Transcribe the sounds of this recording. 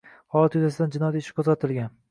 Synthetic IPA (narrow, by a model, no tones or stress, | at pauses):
hɒlˠat̪jʊzasɪd̪and͡ʒɪnɒjat̪ɪʃɪ̥kʰozʁat̪ʰɪlˠɡʲan